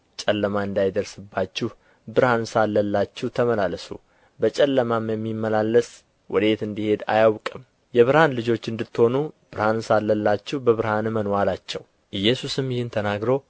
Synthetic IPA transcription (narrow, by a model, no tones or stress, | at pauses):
t͡ʃʼɛlːəmaɨnd̪ajd̪əɾsɨbːat͡ʃːɪh | bɨɾhansalːəlːat͡ʃːɪht̪ʰəməlaləsṵ | bət͡ʃʼɛlːəmamjɛmːimːəlalːəs | wʔɔ̰d̪et̪ɨnd̪ihe̞d̪a̰jawkʼɨm | jɛβɨɾhanlɨd͡ʒo̞t͡ʃːɨnd̪ɨt̪ːho̞nub̥ɨɾhansalːəlːat͡ʃːɪhbəβɨɾhanmənwalat͡ʃːɛw | ʔɨjːɛsusɨmjɪhɨnt̪ʰənaɡɾo̞